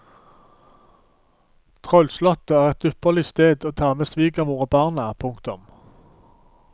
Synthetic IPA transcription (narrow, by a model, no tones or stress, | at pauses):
t̪ʰʁœlslɔt̪əæːʁɛt̪̚d̪ʉpəʁlɪst̪eːd̪oːt̪ʰɑːʁmeːsʋiːɡəmuːʁəbɑːʁnəpʰʊŋkt̪ʊm